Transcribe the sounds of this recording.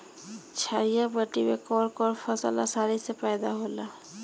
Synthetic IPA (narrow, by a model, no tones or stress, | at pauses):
t͡ʃʰaːjabəʈimekɔːɾkɔːɾfʰəsa̰la̰saːɾisepɛːd̪aɦoːlaː